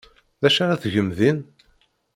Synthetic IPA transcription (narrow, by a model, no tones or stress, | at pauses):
ðæʃæʁæθʝəmðin